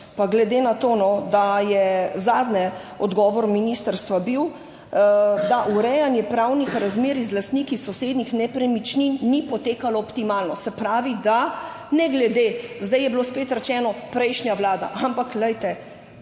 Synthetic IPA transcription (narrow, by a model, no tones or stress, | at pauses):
paɡlɛd̪eːnat̪oːnɔd̪ajɛzaːd̪nɛɔd̪ɡɔːʋɔɾminist̪əɾst̪ʋabiw | d̪aʔuɾɛjanjɛpɾawnixɾazmeːɾizlast̪nikisɔseːd̪nixnɛpɾɛmit͡ʃninnipɔt̪eːkalɔːpt̪imaːlnɔsɛpɾaːʋid̪a | nɛɡlɛd̪ezd̪ajɛbloːspeːt̪ɾɛt͡ʃɛːnɔpɾɛjʃnjaʋlaːd̪a̰ʔampaklɛjt̪ɛ